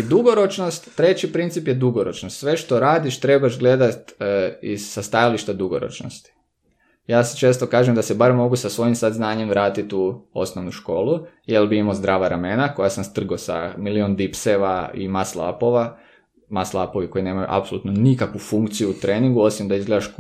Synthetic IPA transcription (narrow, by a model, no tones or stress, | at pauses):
id̪uɡoɾo̞t͡ʃnost̪ːɾe̞t͡ɕipɾint̪ipje̞d̪uɡoɾot͡ʃnost̪sʋe̞ʃt̪o̞ɾaːd̪iʃt̪ɾebaʒɡle̞d̪at̪ḭzsast̪ajaliʃt̪ad̪uɡo̰ɾo̰t͡ʃno̰st̪i̥ | jaːse̥t͡ʃe̞ːst̪okaːʒemd̪asebaɾmo̞ɡusasʋo̞jimsad̪znaːɲemʋɾaːt̪it̪uo̰snoʋnuʃko̞ːlˠujelbiimozd̪ɾaːʋaɾamenako̞jasamst̪r̩ɡosa̰miliond̪ipseʋaḭmaslˠa̰po̞ʋa | maslˠaːpo̞ʋiko̞ine̞ːmajṵʔa̰psolˠut̪nonikakʋufuŋkt̪sijuːt̪ɾeːniŋɡuo̞simd̪aizɡled̪aʃ